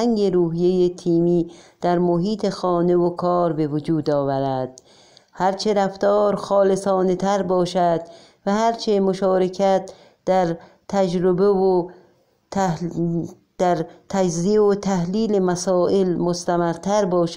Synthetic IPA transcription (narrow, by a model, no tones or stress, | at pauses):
æŋɡeɾuːɦijejet̪ʰiːmiːd̪̥æɾmoɦiːt̪ʰexɒːnevokʰɒːɾbe̞vod͡ʒuːd̪ɒːvæɾæd̪̥̚ | hæɾt͡ʃʰeɾæft̪ɒːɾxɒːlesɒːnet̪ʰæɾbɒːʃæd̪̥ | væhæɾt͡ʃʰemoʃɒːɾekʰæt̪ | d̪̥æɾ | t̪ʰæd͡ʒɾobevo | d̪̥æɾt̪ʰæd͡ʒzieot̪ʰæhliːlemæsɒːʔelmost̪æmæɾt̪ʰæɾbɒːʃ